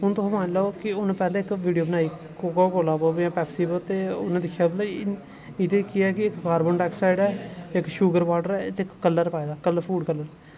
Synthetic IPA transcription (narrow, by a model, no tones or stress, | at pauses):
ɦʊnt̪õmãːnlaokɪʊnːpɛːlẽːɪkʋiːɖijoːbənaːiː | kokakoːlaːboːbjãːpɛːpsiːbət̪eːʊ̰nãːd̪ɪkʰːjaːbəlː | ɪd̪eːkɪɛːkɪɪkkaːɾbəːɳʈɛːksaːɪɖɛːɪkʃuːɡəɾʋaːʈəɾɛːt̪eːkːəlːəɾpaːeːd̪aːkəlːəpʰuːɖkəlːəɾ